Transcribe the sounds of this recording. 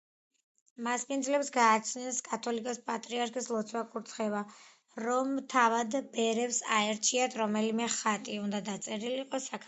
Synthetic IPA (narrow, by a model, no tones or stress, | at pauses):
maspʼind̪zlɛpsɡaːt͡ʃʰnɛnskʼat̪ʰɔlikʼɔspʼat̪ʼɾiaɾkʰʼislˠɔt̪sʰwakʼuɾt̪sʰχɛva | ɾɔmt̪ʰavad̪bɛɾɛpsaɛɾt͡ʃʰiat̪ʰɾɔmɛlimɛχat̪ʼiund̪ad̪at̪sʼɛɾiliqʼɔsakʰ